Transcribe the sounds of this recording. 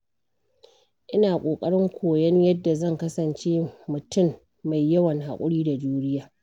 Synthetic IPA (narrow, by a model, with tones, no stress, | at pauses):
ʔɪ˦naː˨kʷʼoː˨kʼɐ˦ɽɪ˦ŋkʷʰoː˨jɐ˦ɲjɐ˦dːa˨zɐ˦˨ŋkɐ˦sɐ˨nt͡ʃeː˦mʊ˨tʊ˦˨mː | a˨jːɐ˦wɐ˨ŋha̰˨kʷʼʊ˦ɽiː˦da˨d͡ʒuː˦ɽɪ˦jaː˨